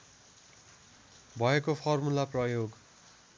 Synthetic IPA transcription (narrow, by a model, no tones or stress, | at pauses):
bʱʌekopʰʌrmulaprʌjoɡ